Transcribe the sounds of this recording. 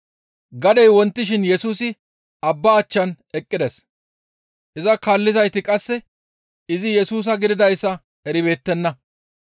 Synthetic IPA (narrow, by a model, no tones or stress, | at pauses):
ɡɐd̪ɛjwɔnt̪ːɪʃ̬ɪnjɛsuːsɪ | ɐbːaːt͡ʃːɐn | ɛkʼːɪd̪ɛs | ʔɪzɐkaːlːɪzɐjt̪ɪkʼɐsːɛ | ɪzɪjɛsuːs̬ɐɡɪd̪ɪd̪ɐjsːɐ | ɛɾɪbe̞ːt̪ːɛnːɐ